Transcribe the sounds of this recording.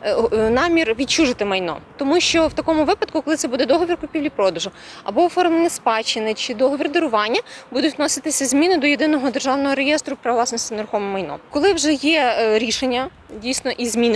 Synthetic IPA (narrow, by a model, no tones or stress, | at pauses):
nɑmʲirʋʲit͡ʃuʒɪt̪ɪmɐjnɔ̰t̪ɔmuʃt͡ʃɔwt̪ɐkɔmʊʋɪpɐd̪̚kʊkɔlˠɪt̪ɛbud̪ɛd̪ɔɦɔʋʲirkʊpʲiʋlʲipɾɔd̪ɐʒʊɐ̰bɔɔfɔrmenʲɪspɑt͡ʃɪnɪt͡ʃɪd̪ɔɦɔʋʲird̪eɾʊʋɑnʲːɐbud̪ʊtʲtnɔsɪt̪ɪsʲɐzʲmʲinɪd̪ɔjed̪ɪnɔɦɔd̪erʒɑwnɔɦɔɾejɛst̪ɾʊpɾɐlˠɑsnɔsʲt̪ʲineɾʊxɔmɛmɐjnɔ̰kɔlˠɪwʒɛjɛɾʲiʃenʲːɐ | dʲijsnɔʔizʲmʲinɪ